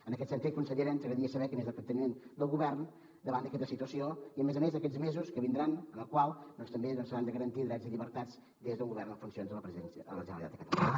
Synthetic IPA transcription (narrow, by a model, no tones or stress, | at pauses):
ənəkɛt̪sənt̪it̪̚kunsəʎiɾɛnsəɣɾəðiəsəβɛkəmezðək̪ənt̪ənimend̪əlˠɣuβɛrn | d̪əβand̪əkɛt̪əsit̪uəsioiəmezəmezəkɛzmezuskəβind̪ɾanəməlˠkwalˠd̪ɔnst̪əmbeðɔnsəɾand̪əɣəɾənt̪iðɾɛd͡zziʎiβəɾt̪ad͡z | d̪ezðəuŋɡuβɛɾrnəfunsionzðələpɾəzinələʒənəlit̪a̰d̪əkət̪əlla̰nə